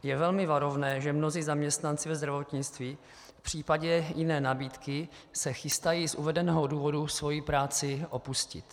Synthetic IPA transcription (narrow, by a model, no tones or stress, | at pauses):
jɛvɛlmɪvaɾo̞vnɛːʒɛmnoziːzamɲɛst̪nant͡sɪvɛzd̪ɾavo̞t̪ɲɪt͡st̪viː | fpr̝̥iːpaɟɛjɪnɛːnabiːt̪kɪ | sɛxɪst̪ajiːsʔuvɛdɛnɛːɦoduːvo̞dusvo̞jipɾaːt͡sɪʔo̞puscɪ̰t̪